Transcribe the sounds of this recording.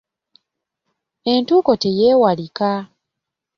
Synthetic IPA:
e̞ntuːko̞te̞jeːwalika

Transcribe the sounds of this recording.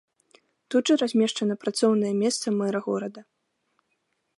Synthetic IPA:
t̪ud̪ʐɨɾazʲmʲɛʂt͡ʂɐnɐpɾat̪sɔwnɐjɛmʲɛst̪sɐmɛɾɐɣɔ̰ɾɐd̪ɐ

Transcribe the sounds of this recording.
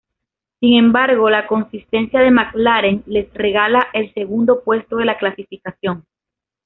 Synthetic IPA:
siŋẽ̞mbaɾɣo̞lako̞nsist̪e̞nsjaðe̞maklaɾe̞ŋle̞sre̞ɣalaʔe̞lse̞ɣund̪o̞pwe̞st̪o̞ðe̞laklasifikasjo̞ŋ

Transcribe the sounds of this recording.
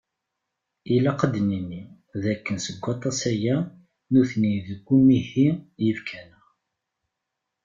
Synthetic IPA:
ilæqəd̪nini | ðækːənsəɡʷːɑt̪ˤɑsæjæ | nuθniðəɡʷːumihijəvkʰænə

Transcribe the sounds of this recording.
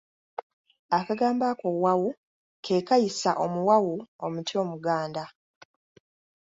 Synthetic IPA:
akaɡaːmbakowawu | kʰe̞ːkajisaʔo̞muwawuomutio̞ːmuɡaːnda

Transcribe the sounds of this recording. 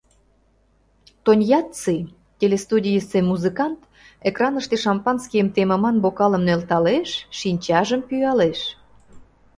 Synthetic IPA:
t̪onʲjɑt̪t͡sɨ | t̪ʲelest̪udʲijəsemuzɨkɑnt̪ | ekrɑnəʃt̪eʃɑmpɑnskʲijəmt̪emə̆mɑnbokɑlə̆mnølt̪ɑleʃʃinʲt͡ɕɑʒəmpyɑleʃ

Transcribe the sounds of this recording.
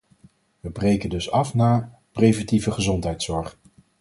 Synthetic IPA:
ʋəbrejkəndɵsɑfnaːɹ | prejvɛntivəχəzɔntɦɛjtsɔɹχ

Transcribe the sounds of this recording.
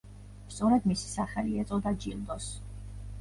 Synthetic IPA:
st̪sʼɔɾɛd̪misi̥saχɛliɛt̪sʼɔd̪ad͡ʒḭlˠd̪ɔs

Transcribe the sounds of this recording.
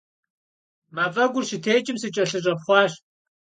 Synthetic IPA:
maːfʼɐɡʷʊrʃitʰeːt͡ʃʼɪmsɨt͡ʃʼɐɬɨɕʼɐpχʷɑːɕ

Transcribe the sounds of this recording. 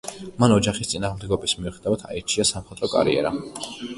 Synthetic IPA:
manɔd͡ʒaχist̪sʼinaːʁmd̪ɛɡɔbismiuχɛd̪avat̪ʰa̰iɾt͡ʃʰiasamχɛt̪ʼɾɔkʼa̰ɾḭɛ̰ɾa

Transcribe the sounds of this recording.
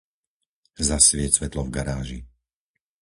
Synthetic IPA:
zasʋɪɛsʋɛt̪lɔvɡaɾaːʒi

